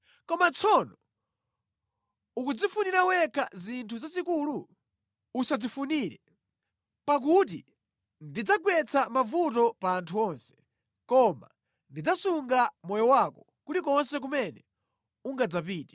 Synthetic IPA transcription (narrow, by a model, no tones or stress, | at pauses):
kɔmant͡sʰɔnɔ | ukud͡zifuniɾawɛkʰa̰zintʰuzazikuːlu | usad͡zifuniɾɛ | pak̬ut̬ḭ | ndid͡zaɡwɛt͡sʰamavutɔpaːntʰuɔnsɛ̥ | kɔma̰ | ndid͡zasuŋɡamɔjɔwakɔ | kutikɔnsɛk̬umɛnɛ | uŋɡad͡zap̬iːti̥